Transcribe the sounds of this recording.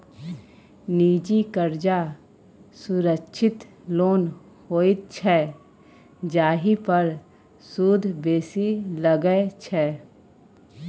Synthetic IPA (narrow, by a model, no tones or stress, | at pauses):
niːd͡ʒikəɾd͡ʒa | sʊɾəkʃʰɪt̪loːn | hoːɪt̪̚t͡ʃʰɛː | d͡ʒaːɦipəɾ | suːd̪ʱbeːsiləɡəet͡ʃʰɛː